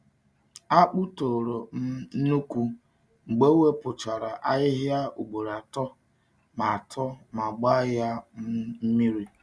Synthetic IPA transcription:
a˦k͡pu˦to˨ɾo˨m̩˦nu˦kʷu˦ | ŋ͡m̩˨ɡ͡be˦we˦pʊ˨t͡ʃa˨ɾa˨ʔa˦jɪ˦ɦja˦u˨ɡ͡bo˨ɾa˨tɔ˦ | ma˨a˨tʰɔ˦ma˨ɡ͡ba˦ja˦m˦m̩˦mi˦ɾi˦

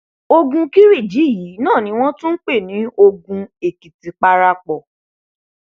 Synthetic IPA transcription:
o˧ɡũ˧ki˦ɾi˦˨d͡ʒi˨˦˨ji˨˦nãː˦˨nĩ˧˦w̃ɔ̃˦tũ˦n̩˦k͡pe˦˨nĩ˨˦o˧ɡũ˧e˨ki˨ti˨k͡pa˧ɾa˧k͡pɔ˨

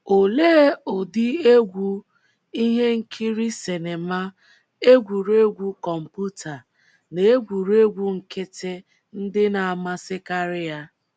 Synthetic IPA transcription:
o˨leː˦o˨dɪ˦e˦ɡʷu˦ | i˦ɦe˦ŋ̩˦kʰi˦ɾi˦se˨ne˨ma˦ | e˦ɡʷu˨ɾe˦ɡʷu˦kɔ˨m̩˨pu˦tʰa˨ | ne˨e˦ɡʷu˨ɾe˦ɡʷu˦ŋ̩˨ke˦tʰe˦ | n̩˦dɪ˦na˨a˨ma˦sɪ˦ka˦ɾɪ˦ja˦

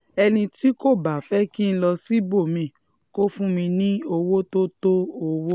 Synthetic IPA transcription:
ɛ˧nĩ˧ti˦ko˦˨ba˨fɛ˦ki˦ñ̩˦lɔ˧si˦bo˦˨mĩ˧˨ | ko˦fũ˦mĩ˧nĩ˦o˧wo˦to˦to˦o˧wo˦

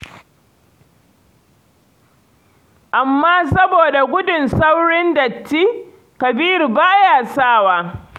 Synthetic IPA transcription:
ʔa˨mːaː˦sɐ˦boː˨da˨ɡʷʊ˦dʊ˨nsa˦wɽɪ˦ndɐ˨tːiː˦ | kɐ˨biː˦rbaː˦jaː˨saː˦˨waː˦

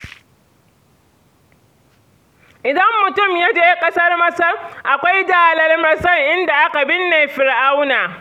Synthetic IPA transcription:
ʔɪ˨dɐ˦mːʊ˨tʊ˦˨mjɐ˦d͡ʒeː˨jkʼɐ˦sɐ˦rmɐ˦sɐ˦ʔa˨kʷa˦jdaː˨lɐ˦rmɐ˦sɐ˦ŋʔɪ˦nda˨ʔa˦ka˨bɪ˦nːeː˨ɸɪ˨ɽʔa˦wnaː˨

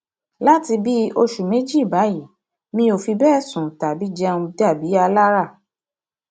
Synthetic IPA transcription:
la˦ti˧bi˦o˧ʃu˨me˨˦d͡ʒi˦i˦˨ba˨˦ji˦˨ | mĩ˧˦o˨fi˧bɛ˦˨sũ˨ta˨bi˨˦d͡ʒɛ˦˧ũ˧da˦˨bi˨˦a˧la˦ɾa˦˨

